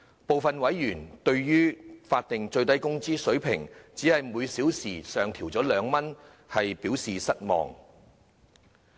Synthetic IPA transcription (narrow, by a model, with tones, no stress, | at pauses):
po˨wfɐ˨nwɐ˨˥jːyː˨˩nt̪ɵ˧ɥjyː˥faː˧t̚t̪ɪ˨ŋt͡ʃɵ˧ɥt̪ɐ˥jkʊ˥ŋt͡siː˥sɵ˨˥ɥpʰɪ˨˩ŋt͡siː˨˥hɐ˨jmuː˨˧jsiː˨˥wsiː˨˩sœː˨ŋt̪ʰiː˨˩wt͡sɔː˨˥lœː˨˧ŋmɐ˥n | hɐ˨jpiː˨˥wsiː˨sɐ˥t̚mɔ̰ː˨ŋ